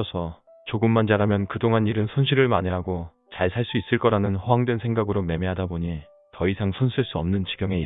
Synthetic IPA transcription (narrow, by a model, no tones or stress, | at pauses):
ʌsʰʌ | t͡ɕoɡɯmːand͡ʑaɾamjʌnkɯdoŋɦaniɾɯnsʰonɕʰiɾɯɭmaɲeɦaɡo | t͡ɕaɭsʰaɭs͈uis͈ɯɭk͈ʌɾanɯnɸoɦaŋdwe̞nsʰe̞ŋɡaɡɯɾome̞meɦadaboɲi | tʌisʰaŋsʰonɕʰiɭs͈uʌmnɯnt͡ɕi̥ɡjʌŋe̞i